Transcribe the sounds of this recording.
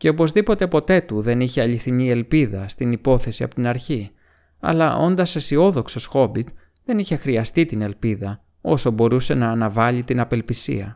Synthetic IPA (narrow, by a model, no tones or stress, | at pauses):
ce̞o̞po̞zðipo̞t̪e̞po̞t̪e̞t̪uðe̞niçeɐʎiθinie̞lpiðɐst̪inipo̞θe̞siɐ̰pot̪inɐɾçi | ɐ̰lɐʔo̞nd̪ɐse̞sio̞ðo̞ksosxo̞bit̪ | ðe̞niçe̞xɾiɐst̪it̪ine̞lpiðɐ | o̞so̞bo̞ɾuse̞nɐːnɐvɐʎit̪inɐpe̞lpisḭɐ